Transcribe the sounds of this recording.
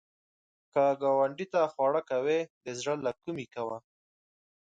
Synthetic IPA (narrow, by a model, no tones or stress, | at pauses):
kaɡɑwaɳɖit̪axwɑɽakawed̪əzɽəlakumikawa